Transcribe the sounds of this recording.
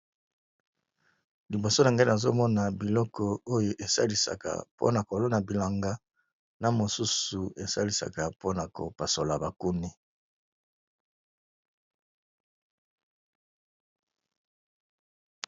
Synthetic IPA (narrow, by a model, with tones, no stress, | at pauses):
li˨bo˨so˦n˨ŋɡa˦na˨zo˦mɔ˦na˨bi˨lɔ˦kɔ˦o˦jo˨ʔe˨sa̰˦li˨sa̰˨ka̰˨po̰˦na˨ko˨lo˦na˨bi˨la˨ŋɡa˦ | na˨mo˨su˦su˨e˨sa˦li˨sa̰˨ka˨po˦na˨ko̰˨pa˨so˨la˨ba˨ku˦ni˦